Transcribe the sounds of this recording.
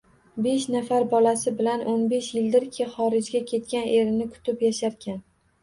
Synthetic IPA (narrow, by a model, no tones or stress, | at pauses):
be̞ʃnafaɾbɒlasɪbɪlanʔonbe̞ʃjɪld̪ɪɾkʲʰɪχɒɾɪd͡ʒɡʲakʲʰe̞t̪̚kʲanʔe̞ɾɪnɪkʰʊ̥t̪ʰɪpjaʃaɾkʲʰan